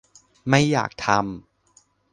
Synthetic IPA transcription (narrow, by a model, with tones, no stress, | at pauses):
ma˥˩jːa̰ː˨˩k̚t̪ʰa˧m